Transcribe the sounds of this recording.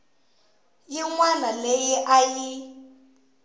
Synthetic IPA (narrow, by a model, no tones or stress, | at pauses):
jiŋwanalejiʔaji